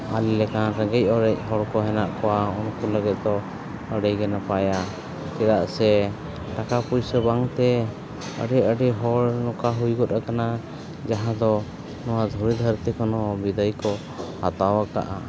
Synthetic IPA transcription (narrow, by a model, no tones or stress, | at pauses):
alɛlɛkanɾəɡɛc̚ˀɔɾɛc̚ɦɔɽkɔɦɛnaʔkɔwaunkuləɡɛt̪̚ˀd̪ɔ | əɽɛjɡɛnapaja | kɛd̪aʔsɛ | ʈakapujsəbaŋt̪ɛ | ə̰ɖɛəɖɛɦɔɽnɔkaɦujɡɔt̪ɾakana | d͡ʒaɦãd̪ɔ | nɔwad̪ʱuɾid̪ʱəɾt̪ikɔnɔbid̪əjkɔ | ha̰t̪awaka̰ʔa̰